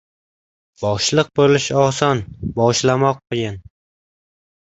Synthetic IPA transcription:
b̥ɒʃlˠɨq̚bolɪʃɒsɒnbɒʃlamɒq̚ːojɪn

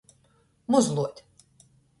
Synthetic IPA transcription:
mʊzlˠuɔt̪ʲ

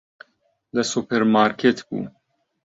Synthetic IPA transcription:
ləsupʰeɾmaːɾkʰet̪bṵː

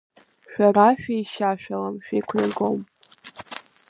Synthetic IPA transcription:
ʃᶣʷaraʃᶣajʃaʃᶣalamʃᶣejkʷʰnaɡom

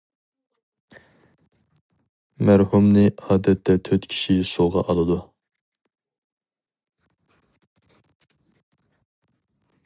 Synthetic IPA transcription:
mæɾhumnɨɑːd̪ɛt̪ʰːɛt̪ʰøt̪kʲʰi̥ʃisoʁɑ̰ʔɑlˠɨd̪u

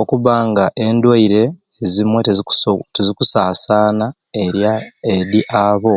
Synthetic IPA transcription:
okuβaːŋɡaʔe̞ndwaiɾe̞ː | zimwe̞tetezikusaːsaːna | eɾjaeɾiʔaβo̞

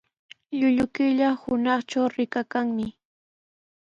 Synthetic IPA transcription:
ʎʊʎʊkɪʎahʊnɑχt͡ʃawɾɪkakaŋmɪ

